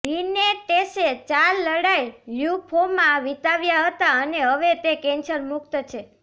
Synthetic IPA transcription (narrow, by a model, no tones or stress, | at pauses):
ɾineʈeset͡ʃalːəɽajjupʰomãʋit̪aʋjaɦət̪aəneɦəʋet̪ekɛ̃nsəɾmuk̚t̪ət͡ʃʰe